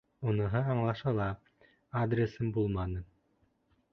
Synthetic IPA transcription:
unɤ̆ɦɤɑɴlˠɑʃɑlˠɑ | ad̪ɾʲesɘmbulˠmɑnɤ

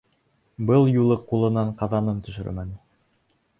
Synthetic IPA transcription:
bɤlˠjulˠɤqulˠɤ̆nɑɴqɑðɑnɤnt̪ɵ̆ʃɘ̰̆ɾ̰mænɘ

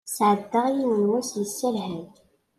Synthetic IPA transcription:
sʕəd̪ːəʁjiwənwæsjəsːælɦæn

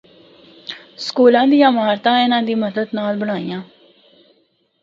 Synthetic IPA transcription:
skuːlãːd̪ijãːmaːɾt̪ãːɪnãːd̪iːməd̪əd̪naːlbəɽ̃aːijãː

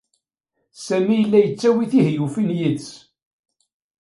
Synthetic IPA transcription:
sæmijəlːæjət͡sːæwiθihjufinjid̪s

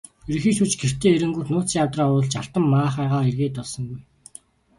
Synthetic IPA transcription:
eɾ̆xiːsut͡ɕɡer̥t̪ʰeːeɾɘ̆ŋɡurnʊːt͡s̪siːŋawt̪raːʊɮt͡ɕaɬt̪ə̆mːaːχaːʁaːerɣeːt̪ɔɮsɞ̆ŋɡuj

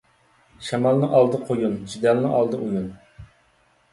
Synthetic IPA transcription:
ʃɛmɑlˠnɨŋʔɑlˠd̪ɨqʰojunt͡ʃid̪ɑlˠnɨʔɑlˠd̪ɨ̰ʔujun

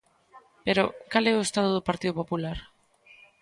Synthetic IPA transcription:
peɾokalɛoest̪aðoðopaɾt̪iðopopulaɾ

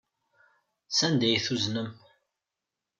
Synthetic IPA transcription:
sænd̪æjθuznəm

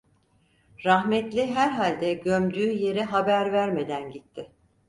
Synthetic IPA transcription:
ɾaɦmɛt̪lʲiɦæɾɦalʲd̪ɛɟømd̪yːje̞ɾiɦabæɾvæɾmed̪ænɟit̪ʰːɪ

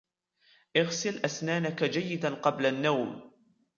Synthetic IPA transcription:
ʔɪɣsɪlʔasnaːnakad͡ʒajːɪd̪anqɑblanːawm

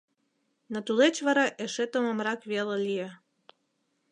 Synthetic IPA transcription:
not̪ulet͡ɕβɑɾɑʔeʃet̪omomɾɑkβelelie

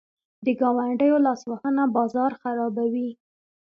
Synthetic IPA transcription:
d̪əɡɑwaɳɖəjolɑswahənabɑzɑɾxaɾɑbawi

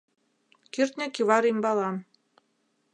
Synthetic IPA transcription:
kirt̪nʲæ̆kʲiβɑɾimʲbɑlˠɑm

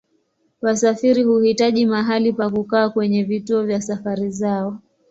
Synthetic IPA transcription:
wasafiɾihuhitaʄimaɦalipakukaːkwɛɲɛvituɔvjasafaɾizaɔ

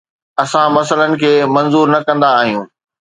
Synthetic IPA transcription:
ɐsãmɐsələnɪ̆kʰeːmɐ̃nzuːɾnɐkɐ̃nd̪aːɦijũː

